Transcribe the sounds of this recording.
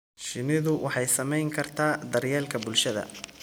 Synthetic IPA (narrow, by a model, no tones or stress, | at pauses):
ʃɪnɪðʊwʔɑħɑjsɐmɛjŋkʰɐrt̪ʰaːd̪ɐrjɛːlkʰɐbʊlʃɐðɐ̰